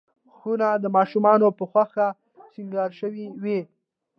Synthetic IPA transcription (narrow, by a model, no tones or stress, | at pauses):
xunad̪əmɑʃumɑnopəxwaxa | siŋɡɑɾʃəwiwi